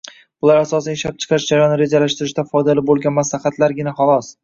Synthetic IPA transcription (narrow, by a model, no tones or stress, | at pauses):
bʊlaɾasɒsanɪʃap̚t͡ʃʰɨ̥qʰʃd͡ʒaɾajɒnɪɾe̞d͡ʒalaʃt̪ɪɾɪʃt̪d̪afɒjd̪alɪbolˠɡʲanmaslaχat̪ʰlaɾɡʲɪnaχalˠɒs